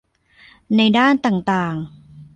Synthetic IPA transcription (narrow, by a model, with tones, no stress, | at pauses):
na˧jdaː˥˩nt̪aː˨˩ŋt̪aː˨˩ŋ